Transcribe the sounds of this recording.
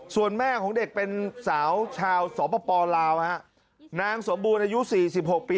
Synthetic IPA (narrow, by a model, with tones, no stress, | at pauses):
su˨˩ənmɛː˥˩kʰɔː˩˦ŋde˨˩k̚pe˧nsaː˩˦wt͡ɕʰaː˧wsɔː˩˦pɔː˧pɔː˧laː˧wha˦˥ʔ | naː˧ŋso˩˦mbuː˧nʔa˧ju˦˥siː˨˩si˨˩p̚ho˨˩k̚piː˧